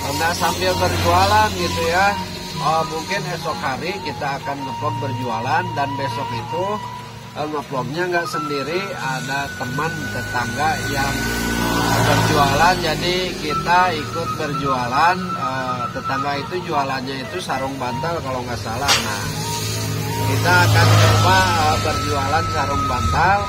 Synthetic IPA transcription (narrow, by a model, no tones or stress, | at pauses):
əŋɡaʔsampɪlbərd͡ʒualanɡit̪uja | əmuŋkɪnɛsɔkɦaɾikit̪aːkanŋəplɔm̚bərd͡ʒualandanbesɔkit̪u | ʔəŋəplɔm̚ɲaŋɡaʔsəndiɾiadat̪əmənt̪ət̪aŋɡajaŋəbərd͡ʒualand͡ʒadikit̪aikʊt̪̚bərd͡ʒualan | ət̪ət̪aŋɡait̪ud͡ʒualanɲait̪usaɾʊŋbant̪alkalawŋɡaʔsalahna̰h | kit̪aːkanebaəbərd͡ʒualansaɾʊŋbant̪al